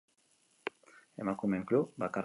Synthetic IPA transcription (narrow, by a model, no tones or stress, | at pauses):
ɛ̰makumɛŋklobaka